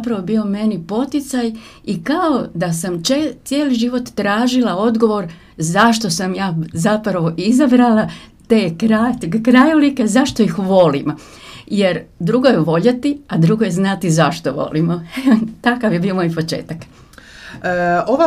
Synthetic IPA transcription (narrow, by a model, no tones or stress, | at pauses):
apɾaʋobio̞me̞nipo̞t̪it̪saj | ikaod̪asamt͡ʃet̪sjeːliʒiʋo̞t̪ːɾaːʒilao̞d̪ɡo̞ʋo̞ɾ | zaʃt̪o̞samjaːzapɾaʋo̞ʔizabɾalat̪eːkɾakɾajulike̞zaʃt̪o̞ixʋo̞lim | je̞ɾd̪ɾuɡojeʋo̞ʎat̪iad̪ɾuɡojeznat̪izaʃt̪oʋo̞̰limoeot̪akaʋje̞bio̞mo̞ːjpo̞t͡ʃe̞̰ːt̪akː | oʋa